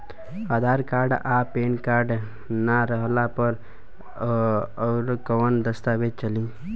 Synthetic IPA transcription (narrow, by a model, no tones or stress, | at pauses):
əd̪ʱaɾkaɾɖapenkaɾɖ | naɾəɦlapəɾ | əɾkəwənd̪əst̪abed̪̚t͡ʃəlĩ